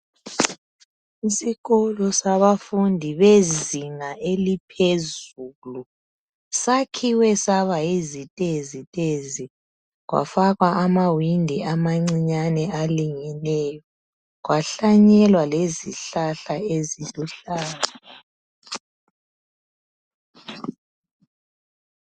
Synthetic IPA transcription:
isiɣɔlɔsaβafundʱiβeziŋaʔelipʰezuːlu | sakʰiwɛsaβaezitʼezitʼezi | ɣwa̰faɣwaʔamawindʱiamaŋ͡ǀiɲanɛʔaliŋɛnɛjɔ | ɣwaɬaɲɛlwaleziɬaɬaeziluɬaːla

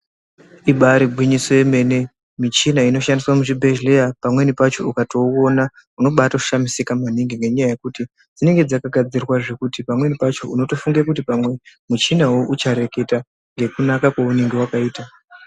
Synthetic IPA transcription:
iɓaɾiɡʱwiɲiso̞je̞me̞ne̞ | mit͡ʃinaino̞ʃandiswamuʐibʱe̞ʒlejapamwe̞nipat͡ʃo̞ukato̞o̞na | uno̞ɓataʃamisikamaniŋɡiŋɡe̞ɲajaje̞kuti | d͡zine̞ŋɡe̞d͡zakaɡʱad͡zirwaʐe̞kutipamwe̞nipat͡ʃo̞uno̞to̞fuŋɡakut̬ipamwe̞mut͡ʃinawoʔut͡ʃaɾe̞ke̞ta | ŋɡe̞kunakakwaune̞ŋɡe̞wakaiːta

